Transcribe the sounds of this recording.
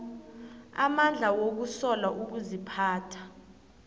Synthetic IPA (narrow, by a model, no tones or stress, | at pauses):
a̰mand͡ɮʱawok̬usɔlaʔuk̬uzipʰaːtʰḁ